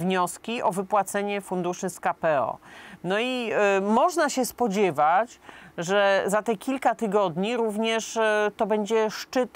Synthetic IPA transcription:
vɲɔskʲiʔɔvɘpwat̪sɛɲɛfund̪uʂɘskapɛɔ̰nɔimɔʐnaɕɛspɔd͡ʑɛvat͡ɕʐɛzat̪ɛkʲilkat̪ɘɡɔd̪ɲiɾuvɲɛʂt̪ɔbɛɲd͡ʑɛʂt͡ʂɘt̪

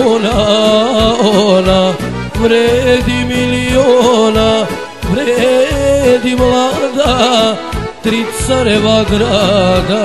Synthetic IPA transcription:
ona | ona | ʋɾed̪imilijona | ʋɾee | d̪imlad̪a | t̪ɾit̪saɾeʋaɡɾaɡa

